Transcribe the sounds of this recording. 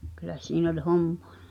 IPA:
kylˑæ siːn olʲ homm̥o̥ɑ̥

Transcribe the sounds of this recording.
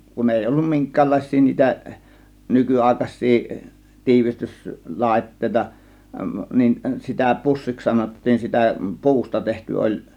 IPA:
kun eˑi olːum miŋkˑæːlːɑˑe̝sˑiː niːtæ nykyɑˑe̝kɑs̆ʲsiː tiːʋistys lɑˑe̝tːeˑitɑ nin sitæ pusːiks sɑnotːiːn sitæ pu̞ustɑ tehty olʲ

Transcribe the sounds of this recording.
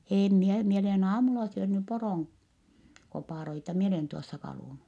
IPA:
eːm mie mie olen ɑːmulɑ syønːy poroˑŋ kopɑˑroitɑ mi oleˑn tuosːɑ kɑluˑnu

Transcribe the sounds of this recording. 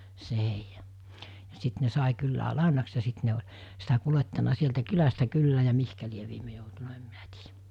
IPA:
se heijɑ jɑ sit ne sɑˑi kylːæ lɑˑenɑks jɑ sit ne olʲ sitæ kuletːɑnɑ sieltæ kylæstæ kylːæː jɑ mihkæ lieʋ̆ ʋiːme joutunɑ em minæ̥ ti̥ːj̊æ̥

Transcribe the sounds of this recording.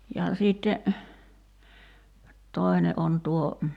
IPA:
jɑ siːtːe toi̞ne ʔon tuo

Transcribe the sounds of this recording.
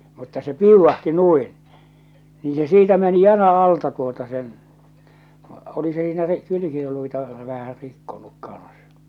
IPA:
mutːɑ se piuʋːɑhti nuin niː se siːtæ meni jɑl̞ɑ ɑltɑ tuotɑ sen oli se siːnæ ri kylykiluitɑ ʋæhæ rikːonuk kɑ̃ːs

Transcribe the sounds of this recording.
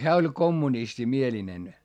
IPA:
hæː olʲ komːunistimielinen

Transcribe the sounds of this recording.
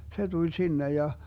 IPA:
se tulʲ sinːej jɑ

